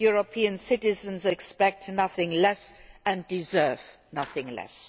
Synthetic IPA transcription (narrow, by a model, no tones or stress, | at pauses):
juɹəpʰiə̃nsɪtɪzə̃nzɛkspɛk̚tnʌθɪ̃ŋlɛsɨ̃ndɪzɜ˞v | nʌθɪ̃ŋlɛ̰s